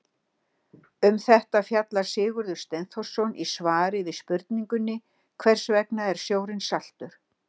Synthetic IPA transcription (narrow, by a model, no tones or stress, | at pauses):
ʏmθɛht̪afjat̪laɾ̥sɪːɣʏɾðʏ̥st̪ɛnθɔ̥sɔnʔisvaːɾɪvɪðspʏɾt̪niŋkʏnːɪ | kʰvɛr̥svɛknaɛɾ̥sjoːwɾɪnsal̥t̪ʏɾ̥